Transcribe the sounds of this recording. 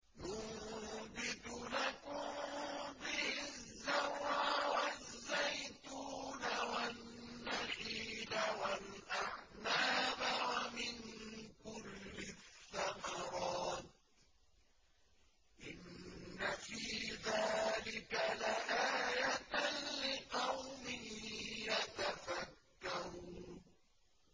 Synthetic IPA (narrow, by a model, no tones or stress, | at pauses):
jʊ | bɪd̪ʊlakʊmbɪhɪzːaɾɾʕawazːajt̪uːnawanː | aħiːlawalʔaʕnaːbawamɪnkʊlːɪθːamɑɾˤɑːt̪̚ | ʔɪnːafiːðaːlɪkalaʔaːjat̪lɪqɑwmɪhjat̪afakːaɾuːn